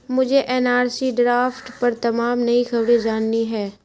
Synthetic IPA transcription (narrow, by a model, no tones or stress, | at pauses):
mʊd͡ʒʱeʔɛːnaːɾsiɖɾaːfʈpɐɾt̪ɐmaːmnɐixɐbɽed͡ʒaːnːiɦɛː